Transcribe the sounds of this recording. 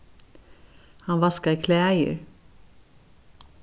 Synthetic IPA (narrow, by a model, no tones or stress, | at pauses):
hɑnʋɑskɑiːkʰleːæɪə̰ɹ